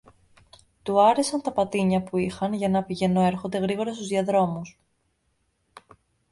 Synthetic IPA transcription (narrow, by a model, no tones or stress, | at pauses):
t̪uɐɾe̞sɐnt̪ɐpɐt̪iɲɐpuixɐnʝɐnɐpiʝe̞no̞e̞ɾxo̞nd̪e̞ɣɾiɣo̞ɾɐst̪uzðiɐðɾo̞mus